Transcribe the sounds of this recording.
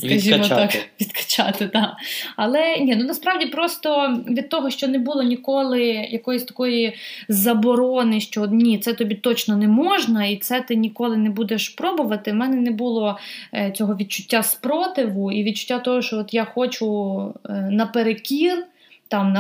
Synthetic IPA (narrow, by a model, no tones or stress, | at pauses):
skɐʒʲimɔɑkʋʲid̪kɐ̥t͡ʃat̪ɪd̪aɐlˠɛnʲinunɐspɾɑwdʲipɾɔst̪ɔʋʲid̪̚t̪ɔɦɔʃt͡ʃɔnɛbulˠɔnʲikɔlˠɪjɐkɔjɔsʲt̪ɐ̥kɔjizɐbɔɾɔnɪʃt͡ʃɔnʲit̪sɛt̪ɔbʲit̪ɔt͡ʃnɔnɛmɔʒnɐit̪sɛt̪ɪnʲikɔlˠɪnɛbud̪eʃpɾɔbʊʋɐt̪ɪmɛnɛnɛbulˠɔt͡sʲɔɦɔʋʲid̪̚t͡ʃʊ̥tʲːaspɾɔt̪ɪʋʊiʋʲid̪̚t͡ʃʊ̥tʲːat̪ɔɦɔʃt͡ʃɔɔt̪jaxɔt͡ʃʊ | nɐpeɾekʲir | t̪ɑmnɐ